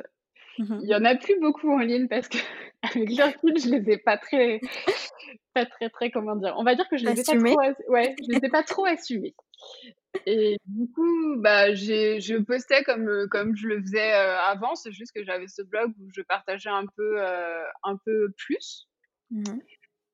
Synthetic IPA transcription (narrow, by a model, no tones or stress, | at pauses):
iljɑ̃naplybokʰuɑ̃liɲpaʁsə̥kəavɛklœʁfilʒəlezɛpat̪χɛ | pat̪χɛt̪χɛkɔmɑ̃d̪iʁɔ̰̃vad̪iʁkəʒəlezɛpaoawɛʒəlezɛpat̪χoasyme | ed̪ykubaʒeʒəpɔst̪ɛkɔmkɔmʒələfəzɛøavɑ̃sɛʒyst̪̚kəʒavɛsəblɔɡuʒəpaʁt̪aʒɛɛ̃pøøɛ̃pøplys